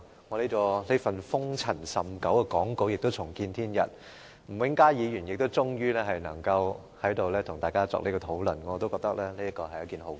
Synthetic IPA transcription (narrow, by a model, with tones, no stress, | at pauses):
ŋɔː˨˧le˥kɔː˧le˥fɐ˨nfʊ˥ŋt͡sʰɐ˨˩nsɐ˨mkɐ˨˥wkɛ˧kɔː˨˥ŋko˧wjɪ˨k̚t̪o˥wt͡sʰʊ˨˩ŋkiː˧nt̪ʰiː˥njɐ̰˨t̚ | m̩˨˩wɪ˨˥ŋkaː˥jiː˨˧jyː˨˩njɪ˨k̚t̪o˥wt͡sʊ˥ŋjyː˥lɛː˥ɦɐ˨jnɐ˨˩ŋkɐ˧w | hɐ˨˥jt̪o˨wlɛː˥t̪ʰʊ˨˩ŋt̪aː˨jkaː˥t͡sɔ̰˧˥le˥kɔ˧t̪ʰo˨˥wlɵ˨˩nː˨˧t̪o˥kɔː˧k̚t̪ɐ˥k̚lɛː˥ne˥ɐ˥kɔː˧ɦɐ˨jɐ˨˧˥kiː˨˩nɦo˨˥w